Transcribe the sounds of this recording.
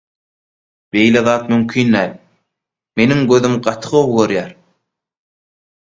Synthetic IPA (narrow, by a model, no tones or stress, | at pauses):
b̥e̞jleðɑːt̪mymkʰiːnd̪æːlʲ | me̞niŋɡøðymɢɑt̪ʰɯ̥ʁoβɣøɾjæːɾ